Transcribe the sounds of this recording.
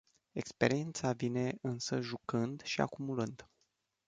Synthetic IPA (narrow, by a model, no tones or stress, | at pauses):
e̞kspe̞ɾient̪savine̞ɨnsəʒukɨnd̪ʃia̰kumulɨnd̪